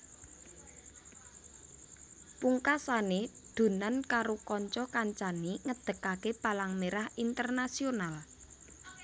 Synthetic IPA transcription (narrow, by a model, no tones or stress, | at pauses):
puŋkasaned̪̥ṳnankaɾokɔɲt͡ʃɔkaɲt͡ʃaniŋəd̪̥ə̤kakepalaŋmeɾahint̪ərnasional